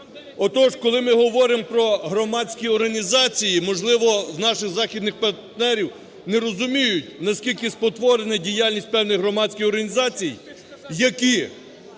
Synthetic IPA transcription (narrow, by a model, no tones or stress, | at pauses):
ɔt̪ɔʃkɔlˠɪmɪɦɔʋɔɾɪmpɾɔɦɾɔmɑt͡sʲkʲiɔrɦɐnʲizɑt͡sʲijimɔʒlˠɪʋɔwnɑʃɪɣzɑxʲid̪nɪxpɐrt̪nɛɾʲiw | nɛɾɔzʊmʲijʊtʲnɐskʲilʲkɪspɔt̪ʋɔɾenɛdʲijɑlʲnʲisʲt̚ʲpɛwnɪjɦɾɔmɑt͡sʲkɪjɔrɦɐnʲizɑt͡sʲij | jɐkʲi